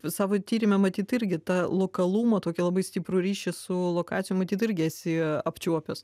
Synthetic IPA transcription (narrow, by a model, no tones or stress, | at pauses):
sɑːʋoːt̪ʲiːɾʲɪmʲɛmɐt̪ʲiːt̪ɪɾʲɡʲɪt̪ɑlˠoːkɐlˠuːmɐt̪oːkʲɛlˠɐbɐɪsʲt̪ʲipɾʊɾʲiːʃʲɪsʊlˠoːkɑːt͡ssʲɪjʊmɐt̪ʲiːt̪ɪɾʲɡʲɪɛsʲɪɐpʲt͡ʃʲuɔpʲos